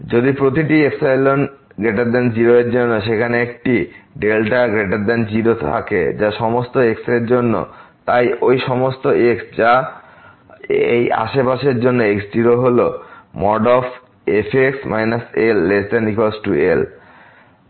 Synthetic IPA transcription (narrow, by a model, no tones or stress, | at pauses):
d͡ʑod̪ipɾot̪iʈieksajlon | ɡeʈaɾd̪ɛnd͡ʑiɾoeɾd͡ʑonːoʃekʰaneekʈiɖelʈaɡɾeʈaɾd̪ɛnd͡ʑiɾot̪ʰa̰kḛd͡ʑaʃɔmost̪oekseɾd͡ʑonːo̰t̪ajojʃɔmost̪oeksd͡ʑa | eja̰ʃepaʃeɾd͡ʑonːoeksd͡ʑiɾoɦolomɔɖɔf | efʰeksmajnaselːesʈanikolsʈuel